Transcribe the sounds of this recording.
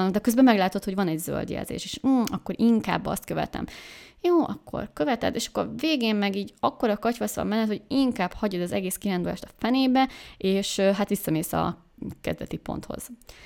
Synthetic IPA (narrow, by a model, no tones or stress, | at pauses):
d̪ɛkøzbɛmɛɡlaːt̪o̞t̪ho̞ɟvɒnɛɟzø̰ld̪jɛ̰lzḛːʃeːʃ̩ːɒkːo̞ɾiŋka̰ːbːɒ̰st̪̚køvɛ̰t̪ɛ̰mjoːʔɒkːo̞̰rkø̞vɛt̪ɛ̰d̪ːeːʃɒ̥kːo̰rveːɡeːmmɛɡiːɟɒkːo̞ɾɒkɒcʋɒsʋɒ̰mmɛnːɛt̪hoiŋkaːbhɒɟod̪ɒzɛɡeːskiɾaːnd̪olaːʃt̪ɒ̥fɛneːbɛeːʃɦat̪ʋisːɒmeːsɒ̰ | kɛ̰zd̪ɛt̪ipo̞̰nt̪ho̞̰z̥